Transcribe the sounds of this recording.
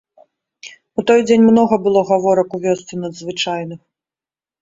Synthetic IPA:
ut̪ɔjd͡zʲenʲmnɔɣɐbɨlˠɔɣavɔɾɐkuvʲɔst̪sʲinɐd̪zvɨt͡ʂajnɨx

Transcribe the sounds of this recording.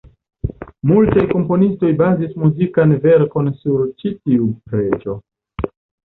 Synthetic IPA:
multajko̞mpo̞nisto̞jbazismuzikanve̞ɾko̞nsuɾt͡ʃitiupɾe̞d͡ʒo̞

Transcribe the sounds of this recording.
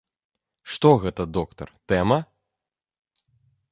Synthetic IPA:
ʂt̪ɔɣɛt̪ɐd̪ɔkt̪ɐ̰rt̪ɛmɐ

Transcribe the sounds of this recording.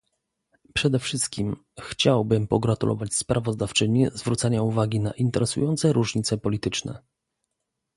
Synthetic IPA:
pʂɛd̪ɛfʂɘst̪̚kʲim | xt͡ɕawbɘmpɔɡɾat̪ulʔɔ̰vat͡ɕspɾavɔzd̪aft͡ʂɘɲizvɾut̪saɲauvaɡʲina̰ʔint̪ɛɾɛsṵjɔnt̪sɛɾuʐɲit̪sɛpɔlʲit̪ɘt͡ʂnɛ̰

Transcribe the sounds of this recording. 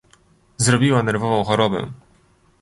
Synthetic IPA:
zɾɔbʲiwanɛɾvɔvɔ̃w̃xɔɾɔbɛ̰

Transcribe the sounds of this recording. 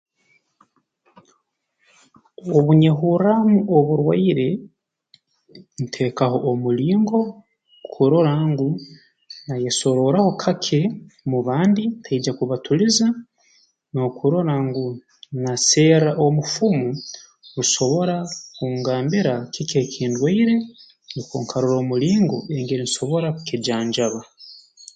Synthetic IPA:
oβuɲeɦuɾamuoβuɾwa̰iɾe̞ | n̩tʰe̞kaɦo̞ʔːmuliːŋɡo̞ | kʰuɾo̞ɾaŋɡu | najeso̞ɾo̞ɾaho̞kʰakʰemuβaːnditʰaid͡ʒakuβatʰuliza | nokʰuɾo̞ɾaŋɡu | nase̞ːɾaʔomufumu | nuso̞βo̞ɾakuːŋɡaːmbiɾakikekʰiːndweiɾe̞ | nikuːŋkʰaɾuɾo̞ːmuliːŋɡo̰eŋɡeniso̞βo̞ɾakukid͡ʒaːɲd͡ʒaβa

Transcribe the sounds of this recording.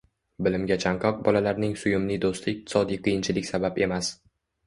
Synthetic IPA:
bɪlɪmɡʲat͡ʃʰaɴqʰɒq̚bɒlalaɾnɪŋsʊjʊmnɪd̪ost̪ʰɪɪq̚t̪ʰɪ̥sɒd̪ijqʰɨjɪnt͡ʃʰɪlɪkʲsabape̞mas

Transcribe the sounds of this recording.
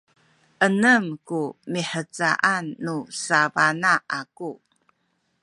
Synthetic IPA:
ʔənəmkumiħət͡sa̰ʔanːusavanaʔaku

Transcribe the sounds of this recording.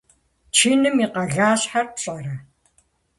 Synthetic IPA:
t͡ʃʰiːnɨmiqɐɣaːɕħarpɕʼɐrɐ

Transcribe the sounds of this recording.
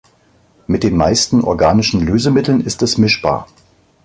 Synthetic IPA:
mɪt̚d̥eːnmaɪstn̩ʔɔ̰ɐɡaːnɪʃn̩løːzəmɪtl̩nɪstɛsmɪʃb̥a̰ːɐ

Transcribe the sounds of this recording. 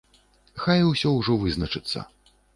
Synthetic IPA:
xajusʲɔwʐɔvɨznɐt͡ʂɨt̪sːɐ̰

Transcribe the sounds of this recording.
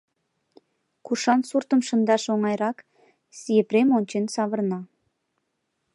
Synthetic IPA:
kuʃɑnsurt̪əmʃə̆nd̪ɑʃoŋɑjɾɑk | sijepɾemonʲt͡ɕensɑβərnɑ

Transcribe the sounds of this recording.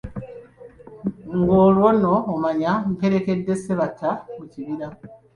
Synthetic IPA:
ŋɡoːlwonoːmaɲaŋ̩keɾe̞ke̞dːe̞seβatʰːamuciβiɾa

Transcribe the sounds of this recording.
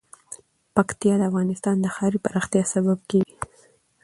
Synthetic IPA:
pakt̪ijɑd̪əafɣɑnɪst̪ɑnd̪əxɑɾipaɾɑxt̪jɑsabab̚keɡi

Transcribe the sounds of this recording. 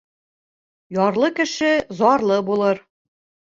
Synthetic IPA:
jɒɾlˠɤkɘ̆ʃɘzɒɾlˠɤbulˠɤɾ

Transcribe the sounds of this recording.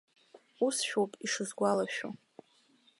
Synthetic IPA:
usʃᶣowpʼiʂɨzɡʷalaʃᶣo̰

